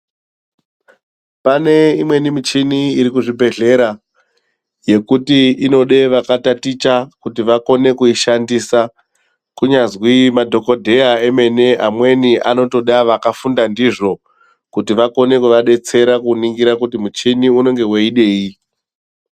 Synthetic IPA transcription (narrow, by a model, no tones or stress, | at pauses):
pane̞imwe̞nimit͡ʃiniːɾikuʐibʱe̞ɮe̞ɾa | je̞kutiino̞ɗe̞ʋakatatit͡ʃakutiʋako̞ne̞kuiʃandisa | kuɲazwimadʱo̞ko̞dʱe̞jae̞me̞ne̞ʔamwe̞niʔano̞to̞ɗaʋakafundandiʐo̞ | kutiʋako̞ne̞kuʋaɗe̞t͡se̞ɾakuniŋɡiɾakutimut͡ʃiniuno̞ŋɡe̞weiɗe̞ːi